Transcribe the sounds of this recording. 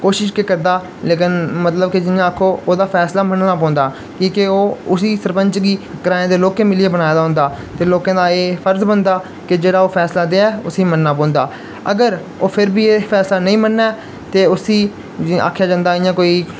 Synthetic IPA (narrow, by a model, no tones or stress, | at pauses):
koːʃɪʃkekəɾd̪aː | leːkɪnmət̪ləb̚kɪd͡ʒɪnjãːakʰːoːʔoːd̪aːpʰɛːslaːmənnaːpɔ̃ːnd̪aː | kĩːkɪoːʊsiːsəɾpəɲt͡ʃɡiːɡəɾãːjãːd̪eːloːkẽːmɪlieːbənaːed̪aːɦʊ̃nd̪aːt̪eːloːkãːd̪aːeːfʰəɾzbənd̪aː | kɪd͡ʒeːɽaːoːpʰɛːslaːd̪eːaɛːʊsĩːmənːaːp̬ɔ̃ːnd̪aː | ə̰ɡəɾ | oːpʰɪɾbiːeːpʰɛːslaːnəĩːmənːɛː | t̪eːʊsĩː | a̰ːkʰːjaːd͡ʒãːnd̪aːɪ̃jãːkoːiː